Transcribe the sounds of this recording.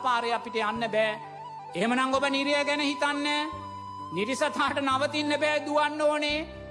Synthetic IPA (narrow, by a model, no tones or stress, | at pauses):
paːɾeapiʈeanːəbɛː | eɦemənaŋɡobəniɾijəɡɛnəɦit̪anːə | niɾisɐt̪ʰaːʈənaʋət̪inːəbɛːd̪uʋanːoːne